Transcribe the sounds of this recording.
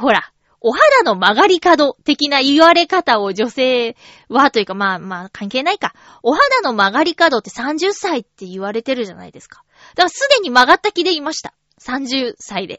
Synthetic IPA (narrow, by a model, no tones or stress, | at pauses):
ho̞ɾa | o̞ɦad̪ano̞maɡaɾʲikad̪o̞t̪e̞kʲinaiβaɾe̞kat̪ao̞d͡ʑo̞se̞ː | βat̪o̞jɯ̟kamaːmaːkãŋke̞ːnaika | o̞ɦad̪ano̞maɡaɾʲikad̪o̞t̪ːe̞sãɲ̟d͡ʑɨsait̪ːe̞iβaɾe̞t̪e̞ɾɯ̟ʑana̰id̪e̞sɨ̥kḁ | d̪aɡsɨd̪e̞ɲ̟imaɡat̪ːakʲid̪e̞imaɕi̥t̪ḁ | sãɲ̟d͡ʑɨːsaid̪e̞̰